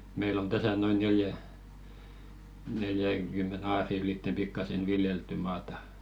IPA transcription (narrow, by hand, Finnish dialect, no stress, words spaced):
meil on tæsæ noin neljæ neljæŋkymːen ɑːriˑ yliˑtːe pikːɑsen ʋiljeltːy mɑːtɑ̥